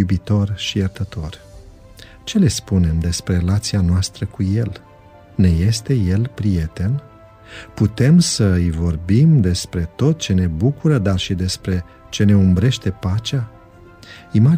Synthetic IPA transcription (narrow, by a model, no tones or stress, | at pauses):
ubit̪o̞rʃijərt̪ət̪o̞r | t͡ʃe̞le̞spune̞md̪e̞spɾe̞elat̪sianoast̪ɾəkuje̞l | ne̞je̞st̪e̞je̞lpɾije̞t̪e̞n | put̪e̞msəɨjvo̞rbimd̪e̞spɾe̞t̪o̞t̪̚t͡ʃe̞ne̞bukuɾəd̪arʃid̪e̞spɾe̞ | t͡ʃe̞ne̞umbɾe̞ʃt̪e̞pat͡ʃea | ima